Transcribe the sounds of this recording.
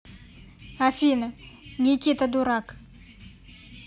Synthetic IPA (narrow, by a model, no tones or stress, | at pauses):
afʲinɐnʲikʲit̪əd̪uɾak